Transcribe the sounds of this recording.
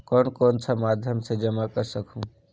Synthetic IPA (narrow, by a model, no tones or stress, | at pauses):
kɔːnkoːnsʰamaːd̪ʱjəmsed͡ʒəmakəɾsəkʰũː